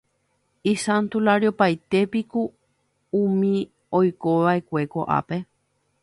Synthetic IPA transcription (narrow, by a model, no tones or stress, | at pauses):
isãnt̪ulaɾjopajt̪e̞piku | ũmĩ | ojkoʋaekʷe̞koʔa̰pe̞